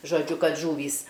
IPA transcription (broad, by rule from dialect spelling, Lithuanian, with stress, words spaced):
ʒoːˈd͡ʒʲʊ ˈkɐt ˈʒuːʋʲiːs